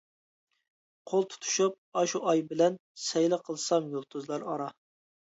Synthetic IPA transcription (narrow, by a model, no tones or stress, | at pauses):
qʰolˠt̪ʰu̥t̪ʰu̥ʃup̚ɑʃuʔɑjbɪlɛnsɛjlɪqʰəlˠsɑmjolˠt̪ʰuzlˠɑɾɑɾɑ